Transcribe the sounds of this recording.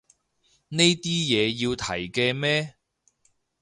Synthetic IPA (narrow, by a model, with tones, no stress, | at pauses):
ne˥jt̪iː˥jɛː˨˧jiː˧wt̪ʰɐ˨˩jkɛː˧mɛː˥